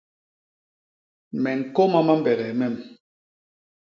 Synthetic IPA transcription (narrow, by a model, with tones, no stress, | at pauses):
mɛ˨ŋ̩˨kɔ˦ma˦ma˦m˦bɛ˨ɣɛ˨mɛ˦˨m